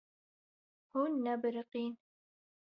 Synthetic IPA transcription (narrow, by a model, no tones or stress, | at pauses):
hunːabɾɪqiːn